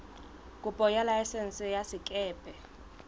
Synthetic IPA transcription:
kʼupʼɔjalaɛsɛnsɛjasikʼɛːpʼɛ

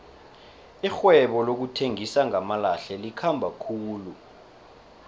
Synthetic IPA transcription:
ixwɛɓɔlok̬utʰeŋisaŋamalaɬɛlikʰambʱakʰuːlu

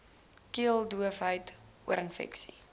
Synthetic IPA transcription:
kiəlˠduəfɦəjt | uəɾənfɛ̰ksi̥

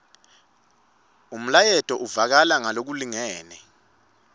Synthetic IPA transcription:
um̩lajɛtʼɔʔuvak̬alaŋalok̬uliŋɛːnɛ

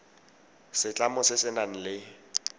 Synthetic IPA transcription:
sɪt͡ɬʼamʊsɪsɪnan̩lɪ

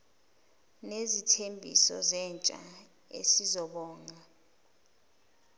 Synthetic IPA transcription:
nezitʰembʱḭsɔ̰zɛnt͡ʃʼa̰ | ḛsizɔɓɔːŋa

